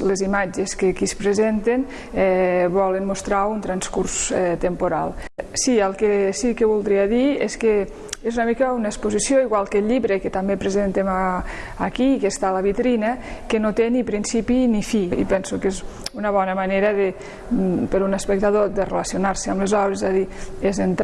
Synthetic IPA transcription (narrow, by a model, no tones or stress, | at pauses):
lezimad͡ʒeskekispɾezent̪en | ɛβɔlənmust̪ɾaunt̪ɾanskuɾsɛt̪əmpuɾalˠsiəlˠkesikəβulˠd̪ɾiəðieske | ezunəmikəunespuzisjoiɣwalˠkəʎiβɾekət̪ambepɾezent̪emaː | kikest̪aləβit̪ɾinəkənot̪enipɾinsipinifiḭpɛnsukezunəβ̞ɔnəmaneɾəðe | pəɾunəspək̚t̪aðod̪ərelasionaɾsəamləzɔβɾezzaðiezent̪